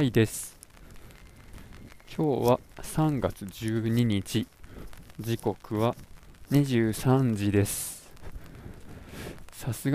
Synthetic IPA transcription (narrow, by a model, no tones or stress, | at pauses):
id̪e̞sɨ̥ | kʲʰo̞ːβasãŋɡat͡sɨʑɨːɲ̟iɲit͡ɕi | d͡ʑiko̞kɯ̟βaɲiʑɨːsãɲ̟d͡ʑid̪e̞sɨ̥ | sasɨɡ